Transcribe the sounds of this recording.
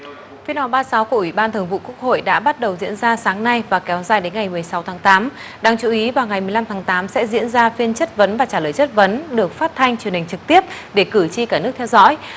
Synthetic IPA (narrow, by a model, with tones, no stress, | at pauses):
fi˧ənʔɔ˨˩ɓaː˧saː˨˦wku˧˩ʔwi˧˩ɓaː˧nt̪ʰɨ˨˩əŋvṵ˧˨ku˦˥ək̚ho̰˧˨jɗa̰ː˧˥ɓa˦˥t̚ɗə˨˩wzḭ˧˥ənzaː˧saː˨˦ŋna˧jvaː˨˩kɛ˨˦wzaː˨˩jɗe˨˦nŋa˨˩jmɨ˨˩əjsa˨˦wt̪ʰaː˨˦ŋt̪aː˨˦m | ɗaː˧˩ŋt͡ɕu˨˦ʔi˨˦vaː˨˩wŋa˨˩jmɨ˨˩əla˧mt̪ʰaː˨˦ŋt̪aː˨˦msɛ̰˧˥zḭ˧˥ənzaː˧fi˧ənt͡ɕə˦˥t̚və˨˦nvaː˨˩t͡ɕaː˧˩ləː˨˩jt͡ɕə˦˥t̚və˨˦nɗɨ˨˩ək̚faː˦˥t̚t̪ʰa˧jŋ̟t͡ɕu˨˩ənhï˨˩ŋ̟t͡ɕɨ˨˩k̚t̪i˦˥əp̚ | ɗe˧˩kɨ˧˩t͡ɕi˧kaː˧˩nɨ˦˥ək̚t̪ʰɛ˧wzɔ̰˧˥j